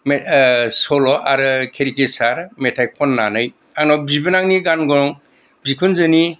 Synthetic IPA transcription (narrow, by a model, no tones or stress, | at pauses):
mesɔlɔʔaɾɯkʰeɾikesaɾmetʰajkʰɔnːanɯj | aŋnɔbibɯnaŋniɡanɡɔɾɔŋ | bikʰunzɯni